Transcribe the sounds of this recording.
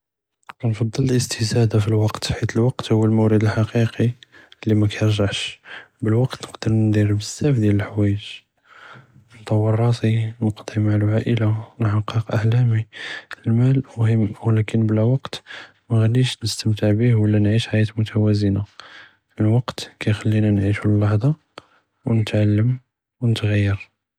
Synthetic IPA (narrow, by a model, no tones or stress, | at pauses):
nfɑd̪ˤːəlləst̪izæd̪afilwɑqt̪ħit̪əlwɑqt̪hʊwːəlmʊwɾəd̪əlħɑqiqilːimækæjəɾʒaʕʃbəlwɑqt̪nəqd̪əɾnd̪iɾbəzːæfd̪jæləlħwæjəʒ | nt̪ˤɑwːɑrˤːɑt̪inəqd̪ˤimaʕalʕaʔəlawnħɑqːəqʔaħlæmilmælʊhəmwəlækənblæwɑqt̪ | mæɣælːiʃnəst̪əmt̪əʕbihwəlːænʕiʃħajæt̪mʊt̪ʰæwæzəna | əlwɑqt̪kæjxælːinænʕiʃulːɑħd̪ˤɑ | wnət̪ʕalːəm | wnət̪ɣæjːəɾ